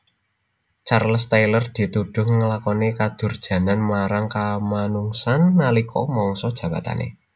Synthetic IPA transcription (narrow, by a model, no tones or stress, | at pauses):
t͡ʃarlst̪ajlərd̪̥i̤t̪uɖ̥ʊhŋəlakɔnikad̪̥ʊ̤rd̥ʒ̥ä̤nanmaɾaŋkamanuŋsanːalikʰɔ̰mɔŋsɔd̥ʒ̥ä̤ba̤t̪a̰nḛ